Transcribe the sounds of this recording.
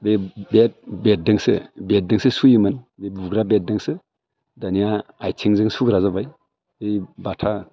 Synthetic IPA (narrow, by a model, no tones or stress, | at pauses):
bebet̚bet̚dɯŋsɯ̰bet̚dɯŋsɯsujɯmɯnbebuɡɾabet̚dɯŋsɯ | danijaːjtʰiŋzɯŋsuɡɾazabaj | bɯjbatʰa